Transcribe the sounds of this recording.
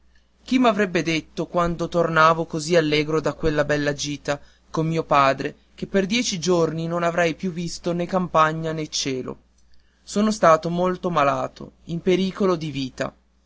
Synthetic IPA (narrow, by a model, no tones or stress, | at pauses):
k̟imːavɾɛbːed̪et̪ːokwand̪ot̪ornaːvokozialːeːɡɾod̪akwelːabɛlːad͡ʒiːt̪a | komːiːopaːd̪ɾe | k̟epːerd̪jɛːt͡ʃid͡ʒorninonavɾɛjpjuvːist̪onekːampaɲːanet͡ʃeːlo̰ | soːnost̪aːt̪omolt̪omalaːt̪o̰impeɾiːkolod̪iviːt̪a̰